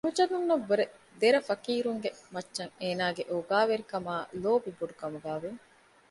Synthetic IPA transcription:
ɦud͡ʒɐnunːɐʋːɐɾe | d̪eɾɐfɐkiːɾuŋɡemɐtːʃɐŋeːnaːɡeʔoɡaːʋeɾikɐmaːloːbiboɖukɐmuɡaːʋe

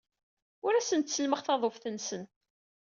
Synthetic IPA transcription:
ʊɾæsənt̪səlməχθɑðˤofθənsən

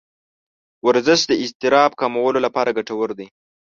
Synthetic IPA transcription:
waɾzɪʃd̪əɪst̪ɪɾɑb̚kɑmawəlolapɑɾaɡaʈawəɾd̪i

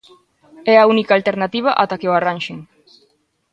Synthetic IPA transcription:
ɛaunikaːlt̪eɾnat̪iβ̞aʔat̪akeoaranʲʃeŋ

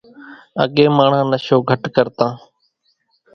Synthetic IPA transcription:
ə̰ɠẽːmaːɳ̤ãːnəʃoːɡʱəʈkəɾt̪ãː

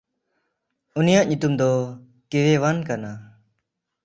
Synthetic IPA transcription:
unijaʔɲut̪umd̪ɔ | kewɛwankana

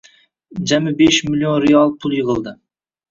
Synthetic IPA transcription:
d͡ʒamɪbeʃmilʲionɾejɑlˠpʰʊlˠjɨʁɨlˠd̪ɪ

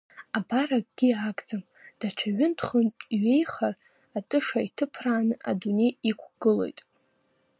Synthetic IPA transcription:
abarak̚ʼɡ̥ʲiakʼd͡zam | d̥at͡ʃʷʰaɥʏntʰχənʼiɥe̞jχar | atʼɨʂaitʰɨpʰraːnɨʔa̰dune̞jikʷʰɡɨlo̞̰jtʼ

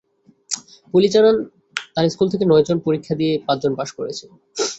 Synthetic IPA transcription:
pulit͡ɕaɾan | t̪aɾskult̪ʰekenɔed͡ʑonpoɾikʰːad̪iepad̪d͡ʑonpaʃkoɾet͡ɕʰe

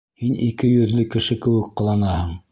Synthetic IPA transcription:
hinikɘjɵ̆ðlɘkɘ̆ʃɘkɘ̆wɘkqːŏlˠɑnɑhɤɴ

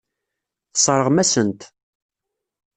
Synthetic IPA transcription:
θsˤɾˤəʁmæsənt̪

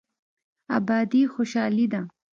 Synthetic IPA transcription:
abɑd̪ixoʃɑlid̪a

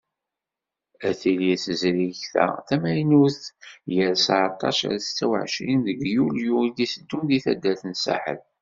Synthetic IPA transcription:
æθiliθəzɾiçθæ̰θæmæjnuθjəɾsaʕt̪ˤːɑ̰ʃa̰ɾst͡sːæwə̰ʕʃinðəɡjuljuid̪isəd̪ːumðiθæd̪ːælθənsa̰ħə̰l

